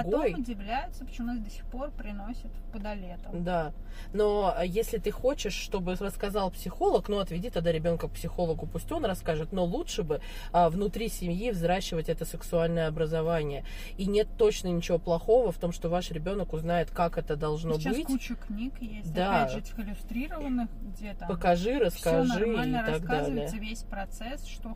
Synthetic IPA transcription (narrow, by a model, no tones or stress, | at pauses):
ɡ̪ojʊdʲɪvlʲæjʊt̪səpə̥t͡ɕmunazʲd̪əsʲɪ̥xpo̞rpɾʲɪnosʲɪt̪pəd̪ɐlʲet̪əd̪a | no̞əjesʲlʲɪt̪ɨxo̞t͡ɕɪʂːt̪o̞bɨrəskɐzɑlˠpsʲɪxo̞lˠəknoɐt̪vʲɪdʲit̪ɐd̪aɾʲɪbʲo̞nkək̚psʲɪxo̞lˠəɡʊpusʲtʲo̞nrɐskaʐɨt̪no̞lˠutʂɨbɨ | əvnʊt̪ɾʲisʲɪmʲjivzɾaɕːɪvətʲɛt̪əsɨksʊalʲnəjəɐbɾəzɐvanʲɪjə | inʲe̞t̪ːo̞t͡ɕnənʲɪt͡ɕɪvo̞plˠɐxo̞vəft̪o̞mʂt̪o̞vaʂɾʲɪbʲo̞nəkʊznajɪt̪kakɛt̪əd̪ɐlˠʐno̞bɨtkʲut͡ɕʊknʲikjesʲd̪ʲaaʐɨtʲɪ̥xɪlʲʊst̪ɾʲiɾəvənːɨxɡdʲepəkɐʐɨɾəskɐʐɨmʲnəɾt̪aɡd̪alʲɪjəvʲesʲpɾɐt̪sɛsʂt̪o